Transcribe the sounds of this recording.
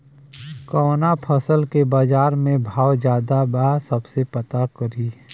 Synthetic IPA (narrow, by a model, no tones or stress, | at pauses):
kɔːnapʰɐsəlkebaːd͡ʒaːɾmẽbʱaːwd͡ʒjaːd̪abaːsəbsepɐt̪akəɾiː